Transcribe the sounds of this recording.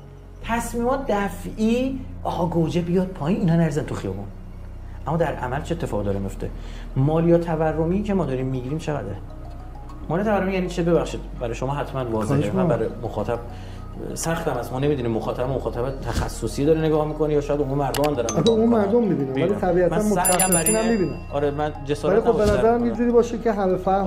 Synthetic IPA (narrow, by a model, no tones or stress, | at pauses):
t̪ʰæsmiːmɒːt̪ʰd̪æfiːʔɒːɣɒɡod͡ʒebijɒd̪̚pʰɒːjiːniːnɒnæɾizænt̪ʰuxijɒ̰ːbon | ʔæmːd̪æɾʔæ̰mælt͡ʃʰeet̪ːefɒːɣid̪ɒɾemijo̞ft̪e̞̰ | mɒːlijɒːt̪ʰæværːomicʰemɒːd̪ɒːɾiːmːiɟiːɾiːmt͡ʃʰe̞ɣæ̰d̪e | mɒlijɑt̪ævæɾːomijænit͡ʃʰebe̞βæχʃid̪̚bæɾɒjeʃomɒːɦæt̪ʰmænvɒːzeæbæɾemoxɒːt̪ʰæb̚ | sæχt̪æmæst̪mɒːne̞miːd̪unimːoxɒːt̪ʰæbæbomoxɒːt̪ʰæbet̪ʰæxæsːosijed̪ɒːɾene̞ɡɒːhmikʰonejɒːʃɔːjæd̪omunmæɾd̪omæmd̪ɒːɾæmæɡeunmæɾd̪omːibiːnæeælit̪ʰæbiæt̪mæænmosæææmæinæmmibinæ | ɒːɾemænd͡ʒesːælixobbenæzæɾæmjed͡ʒuɾiːbɒːʃicʰeɦæmefæ